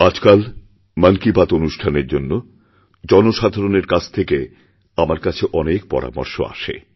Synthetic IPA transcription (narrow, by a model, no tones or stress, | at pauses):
ad͡ʑkal | məŋkibat̪onuʃʈʰaneɾd͡ʑonːo | d͡ʑɔnoʃad̪ʱaɾoneɾkat͡ɕʰt̪ʰeke | amaɾkat͡ɕʰeʔɔnek̚pɔ̰ɾa̰mo̰ɾʃo̰a̰ʃḛ